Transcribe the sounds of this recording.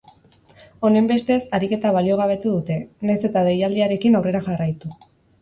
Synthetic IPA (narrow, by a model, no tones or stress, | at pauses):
o̞ne̞mbe̞st̪e̞saɾike̞t̪aβ̞alio̞ɣ̞aβ̞e̞t̪uðut̪e̞najse̞t̪aðejald̪iaɾe̞kinawre̞ɾaxarajt̪u